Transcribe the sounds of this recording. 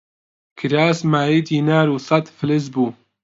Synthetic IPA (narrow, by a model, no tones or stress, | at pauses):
kʰɨɾaːsmaːjiːd̪iːnaːɾuːsɐt̪fɨlɨs̬buː